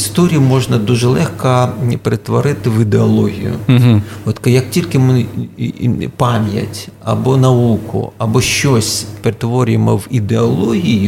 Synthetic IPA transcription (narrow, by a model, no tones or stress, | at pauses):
ist̪ɔɾʲijimɔʒnɐd̪uʒɛlˠɛxkɐpeɾet̪ʋɔɾɪt̪ɪʋid̪eɐlˠɔɦʲḭjʊ̰ɔt̪kɐjɐk̚tʲilʲkɪm | pɑmʲjɐ̰tʲɐ̰bɔnɐukʊ̰ɐbɔʃt͡ʃɔsʲpeɾet̪ʋɔɾʲʊjemɔʋid̪eɐlˠɔɦʲiji